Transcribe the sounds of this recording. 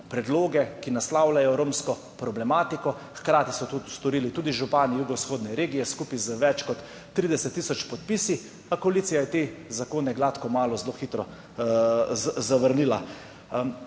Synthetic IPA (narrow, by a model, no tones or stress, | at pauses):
pɾɛd̪loːɡɛkinaslaːwlajɔɾoːmskɔ | pɾɔblɛmaːt̪ikɔ | xkɾaːt̪isɔt̪ost̪ɔɾiːlit̪uːd̪iʒupaːnijuɡɔsxoːd̪nɛɾeːɡijɛskuːpizəʋɛt͡ʃkɔt̪ː | ɾiːd̪ɛsɛt̪ːiːsɔt͡ʃpɔt̪piːsi | akoaliːt̪sijajɛt̪ezakoːnɛɡlaːt̪kɔmaːlɔzloxit̪ɾɔ | zzaʋəɾniːla